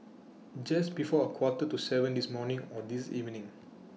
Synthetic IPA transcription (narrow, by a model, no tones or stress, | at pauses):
d͡ʒasbifɔəkʰwɔtətusɛvə̃ndismɔnĩŋɔdisḭvnĩŋ